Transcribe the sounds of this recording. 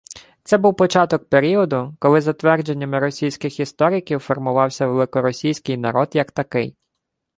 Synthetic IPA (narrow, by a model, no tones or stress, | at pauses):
t̪sɛbuwpɔt͡ʃɑt̪ɔk̚peɾʲiɔd̪ʊkɔlˠɪzɐt̪ʋɛrd͡ʒe̞nʲːɐmɪɾɔsʲijsʲkɪxist̪ɔɾʲɪkʲiwfɔrmʊʋɑwsʲɐʋelˠɪkɔɾɔsʲijsʲkɪjnɐɾɔd̪jɐkt̪ɐkɪj